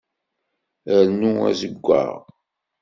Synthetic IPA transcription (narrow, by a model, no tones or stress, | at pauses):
əɾnuæ̰zəɡʷːa̰ʁ